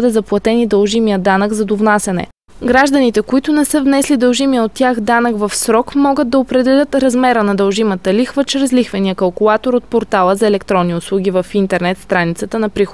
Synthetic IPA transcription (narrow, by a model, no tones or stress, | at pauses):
d̪ɛzɐplˠɐt̪ɛnid̪əlˠʒimijəd̪anəɡzɐd̪ovnasʲɛnɛ̰ | ɡɾaʒd̪ənit̪ɛkoit̪ʊnɛsɛvnɛslid̪əlˠʒimijəot̪ːʲjaxd̪anəkvɐfsɾɔkmɔɡəd̪̚d̪ːɐopɾɛd̪ɛlʲət̪ɾɐzmɛɾənɐd̪ɐlˠʒimət̪əlixvət͡ʃɾɛzlixvəniəkɐlˠkʊlˠat̪oɾot̪̚poɾt̪alˠəzɐɛlɛkt̪ɾɔnːiʊslˠuɡ̟ʲivəfint̪ɛɾnɛt̪st̪ɾanit̪sət̪ənɐpɾix